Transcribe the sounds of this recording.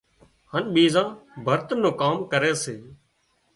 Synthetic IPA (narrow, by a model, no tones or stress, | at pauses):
hənɓiːzãːbʱəɾt̪ənːõːkaːmkəɾeːseː